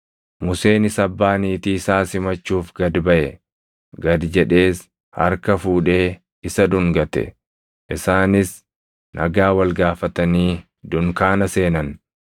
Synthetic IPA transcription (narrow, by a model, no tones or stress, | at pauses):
mʊse̞ːnɪsɐbːaːniːt̪iːɪsaːsɪmɐt͡ʃːuːfɡɐd̪bɐʔɛ | ɡɐd̪d͡ʒɛᶑe̞ːs | hɐ̰ɾkɐfuːᶑe̞ː | ɪsɐd̪ʊŋɡɐt̪ɛ̰ | ʔɪsaːnɪs | nʔɐ̰ɡaːwɐlɡaːfɐt̪ɐniː | d̪ʊŋkaːnɐse̞ːnɐn